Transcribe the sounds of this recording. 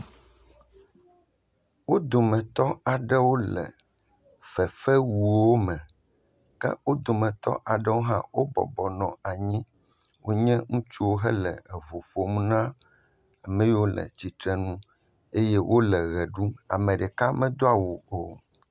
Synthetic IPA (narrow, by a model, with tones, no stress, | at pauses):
wo˦d̪o˨mɛ̃˨t̪ɔ˦a˨ɖɛ˦wo˦lɛ̰˨ | fɛ˨fɛ˦wu˨wo˦mɛ̃˨ | kɛ̰˦wo˦d̪o˨mɛ̃˨t̪ɔ̰˦ʔa˨ɖɛ˦wo˦ɦã̰˦wo˦bɔ̰˨bɔ˨nɔ̃˨a˨ɲĩ˦ | wʔo˦ɲɛ̃˦ŋũ˦t͡ʃu˦wo˦ɦɛ˦lɛ˨ɛ˨βo˨ɸo˦m̃˦nã˦ | a˨mɛ̃˦wo˦lɛ̰˨d͡ʑi˨t̪ɾɛ˦nũ˦ | e˦jɛ˦wʔo˦lɛ˨ɣɛ˨ɖu˦a̰˨mɛ̃˨ɖɛ˨ka˦mɛ̃˦d̪o˦a˨wo˨o˦˨